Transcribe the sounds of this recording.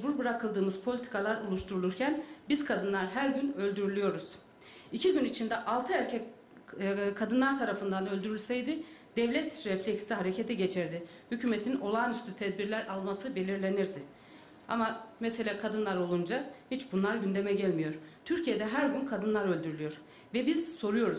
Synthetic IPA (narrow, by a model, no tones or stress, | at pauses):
buɾbɯɾakʰɯlˠd̪ɯːmɯzpʰo̞lʲit̪ʰi̥kʰalˠaɾolˠuʃt̪ʰuɾulˠuɾcʰænbiz̥kʰad̪ɯnlˠaɾɦæɾɟynø̞lʲd̪yɾylʲyjo̞ɾuz̥ | icʰiɟynit͡ʃʰind̪ɛʔalˠt̪ʰɯæɾcʰɛ | kʰad̪ɯnlˠaɾt̪ʰaɾafɯnd̪anølʲd̪yɾylʲsɛjd̪ɪd̪̥ɛvlʲɛt̪ɾɛflʲecsiɦaɾe̞cʰet̪ʰɛɟe̞t͡ʃʰiɾd̪ɪ | hycʰyːmet̪ʰino̞lˠaːnyst̪ʰyt̪ʰɛd̪̚biɾlʲæɾʔalˠmasɯbe̞lʲiɾlʲe̞niɾd̪ɪ | a̰mamɛse̞lʲaːkʰad̪ɯnlˠaɾo̞lˠund͡ʒahit͡ʃbunlˠaɾɟynd̪e̞mɛɟælʲmijo̞ɾ̥t̪ʰyɾcʰije̞d̪ɛɦæɾɟynkʰad̪ɯnlˠaɾø̞lʲd̪yɾylʲyjo̞ɾ̥ | vɛbiz̥so̞ɾujo̞ɾuz